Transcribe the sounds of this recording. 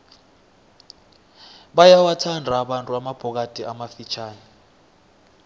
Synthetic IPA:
ɓajawatʰandʱaːɓantʼuamab̥ʱɔk̬ad̥ʱʼiʔamafit͡ʃʰaːnɛ

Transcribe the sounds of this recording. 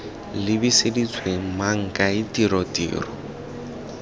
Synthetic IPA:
lɪbisedit͡sʰʼwemaŋ̩kʼaɪtʼiɾɔtʼḭːrɔ

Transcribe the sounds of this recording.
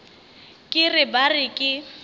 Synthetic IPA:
kʼɪrɪbarɪkʼɪ

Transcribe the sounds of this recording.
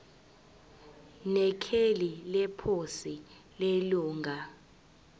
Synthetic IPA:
nɛkʰelilɛpʰosi | leluːŋɡʱa

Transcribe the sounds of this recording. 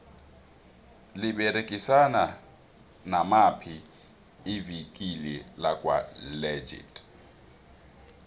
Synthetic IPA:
lɪbɛɾekʼisana | namapʰi | ɪvikʼilelakʼwa̰lɛd͡ʒḭtʼ

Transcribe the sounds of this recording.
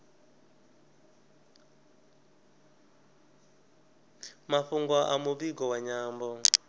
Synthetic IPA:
maɸuŋɡwaʔamuβiɡɔwaɲaːmbɔ

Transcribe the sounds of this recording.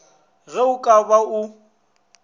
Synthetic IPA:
ɣɛʊkʼabaʊ

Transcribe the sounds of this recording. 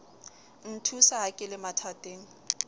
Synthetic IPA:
n̩tʰusaɦakʼɪlɪmatʰatʼeːŋ̩

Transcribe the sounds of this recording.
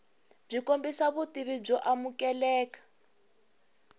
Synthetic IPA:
b͡ʐikombisaβutiβib͡ʐɔʔamukɛlɛːkḁ

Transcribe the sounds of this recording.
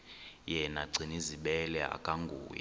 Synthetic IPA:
jɛnaɡ͡ǀʱiniziɓɛlɛa̰kʼaŋɡʱuːja̰

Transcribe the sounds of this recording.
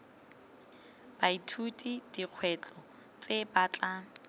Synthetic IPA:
b̥aitʰutʼid̥iq͡χʰwɛt͡sʼɔ | t͡sʼebat͡ɬʼa

